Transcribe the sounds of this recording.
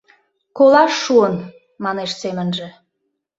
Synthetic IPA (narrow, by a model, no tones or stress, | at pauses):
kolɑʃːuən | mɑneʃsemənʒĕ